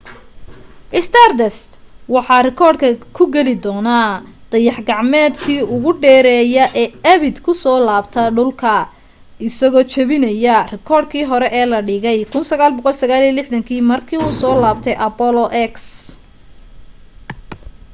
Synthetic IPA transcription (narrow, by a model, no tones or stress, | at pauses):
ʔɪst̪ʰard̪ɛst̪wɑħɑːrɪkʰɔːrd̪kʰɐkʰʊɡɛlɪd̪ɔːna | d̪̥ɐjɑħɡɑʕmɛːd̪kʰiːʊɣʊɖɛːɾɛːjɐʔɛːɐβɪd̪kʰʊsɔːlaːbt̪ʰɐɖʊlkʰɐ | ɪsɐɣɔːt͡ʃɐβɪnɐjɐrɪkʰɔːrd̪̚kʰiːɦɔɾɛʔɛːlɐɖɪɣɛjkʰʊnsɐɣaːlbɔqɔlsɐɣaːliːɐlɪħd̪ɐŋkʰiːmɐrkʰiːuːsɔːlaːbt̪ʰɛjʔɐpɔlɔʔɛks